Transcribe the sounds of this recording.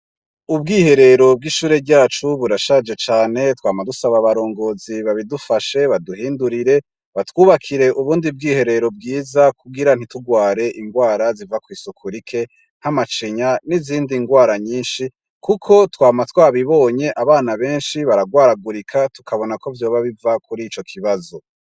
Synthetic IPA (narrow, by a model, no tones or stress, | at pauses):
ub̚ɡiːhe̞ɾe̞ɾo̞b̚ɡiʃuːɾeɾɟaːt͡ʃuβuɾaʃad͡ʒe̞t͡ʃaːne̞twaːmadusaβaβaɾo̞ːŋɡo̞ːziβaβidufaʃe̞βaduɦiːnduɾiɾe̞ | βatwuːβakʰiɾe̞ʔuβuːndib̚ɡiːhe̞ɾe̞ɾo̞b̚ɡiːzakuɡiɾan̥ituɡwaːɾe̞ʔiŋɡwaːɾazivakwiːsukʰuɾikʰe̞ | n̥hamat͡ʃiɲaniziːndiŋɡwaːɾaɲiːnʃi | kukʰo̞twaːmatwaːβiβo̞ːɲe̞ʔaβaːnaβe̞ːnʃiβaɾaɡwaːɾaɡuɾikʰatu̥kʰaβo̞nako̞vjo̞ːβaβivakʰuɾit͡ʃo̞kʰiβazo̞